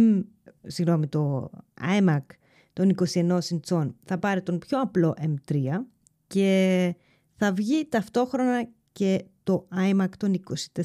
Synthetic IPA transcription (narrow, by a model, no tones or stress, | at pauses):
siɣno̞mit̪o̞ɐ̰jmɐk | t̪oniko̞sie̞no̞sint͡so̞nθɐpɐɾit̪o̞npço̞ɐplo̞ʔemt̪ɾiɐ | ce̞ | θɐvʝit̪ɐft̪o̞xɾo̞nɐ | ce̞t̪o̞ɐjmɐkt̪o̞niko̞si̥t̪e